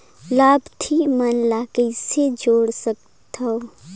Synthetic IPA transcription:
laːbt̪ʰimənlaːkəised͡ʒoːɽsək̚ | t̪ʰao

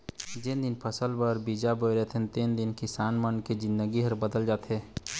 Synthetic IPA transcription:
d͡ʒɪnd̪ɪnpʰəsəlbəɾbid͡ʒabojɾɛt̪ʰẽnt̪eːnd̪ɪnkɪsaːnmənked͡ʒɪ̃nd̪əɡiɦəɾbəd̪əld͡ʒaːt̪ɛ̃

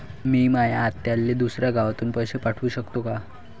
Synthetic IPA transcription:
miːmajaːt̪jalːed̪usɾjaɡaʋat̪uːnpəjɕepaʈʰuːɕəkt̪oka

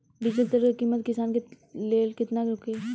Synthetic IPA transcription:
bɪd͡ʒit̪əɾkekiːmət̪kɪsaːnke | leːlkɪt̪naɾʊke

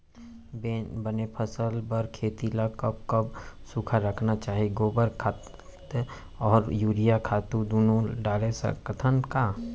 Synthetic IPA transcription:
bebənepʰəsəlbəɾkʰeːt̪ilakəb̚kɐbsukʰaɾəkʰnat͡ʃaːɦiɡoːbəɾkʰa | ɔːɾjuːɾijakʰaːt̪ud̪oːnõɖaːlesə̰kət̪ʰənka

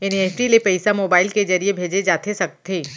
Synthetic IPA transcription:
eneːfʈilepɐɪsamoːbaːɪlked͡ʒɐɾiebʱeːd͡ʒed͡ʒaːt̪ʰesɐk̚t̪ʰeː

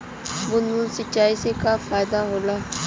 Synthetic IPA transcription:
mʊnunsɪt͡ʃaːisekafaːjd̪aɦolaː

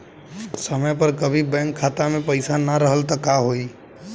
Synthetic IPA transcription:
səməjpəɾkəbʱibɛ̃ːŋkʰːaːt̪amẽpəɪsanaɾəɦəlt̪ɔkaɦoiː

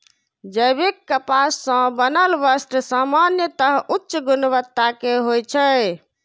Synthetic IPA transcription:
d͡ʒəjbekːəpasːə̃bənəlbəsʈsamanjət̪əɦutːʃəɡunʋət̪ːakeɦojt͡ʃʰə

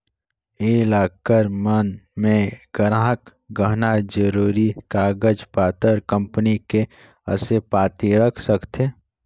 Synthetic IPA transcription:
elaːkəɾmənmẽɡ̥əɾ̃aɦək | ɡəɦnad͡ʒəɾuːɾikaːɡəd͡ʒpaːt̪əɾkə̃mpənike | ə̰sepaːt̪iɾəkʰsəkt̪ʰeː

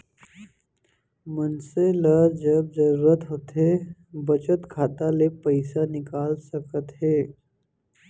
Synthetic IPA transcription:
mənseləd͡ʒəb̚zəɾuːɾət̪ɦoːt̪ebət͡ʃət̪kʰaːt̪alepəɪsanɪkaːlsəkət̪ɦɛː

